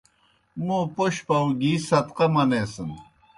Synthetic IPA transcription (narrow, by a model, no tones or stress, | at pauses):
moːpoɕpɐwɡiːsɐt̪qɐmɐnesən